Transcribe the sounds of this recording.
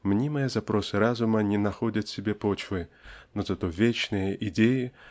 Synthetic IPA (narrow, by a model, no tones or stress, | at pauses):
mnʲimɨjəzapɾɔsɨɾazʊmɐnʲɛnɐxɔdʲɐt̪sʲɪbʲepɔt͡ɕvɨnɔzɐt̪ɔvʲet͡ɕnɨjəʔidʲeji